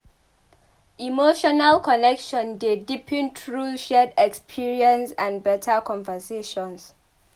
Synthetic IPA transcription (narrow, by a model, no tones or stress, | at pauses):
imoʃɔnalkʰɔnɛkʃɔ̃ndedipʰĩntʰɹuʃɛdɛkspʰiɹiə̃nsãnbɛtʰakʰɔ̃nvəseʃɔ̃ns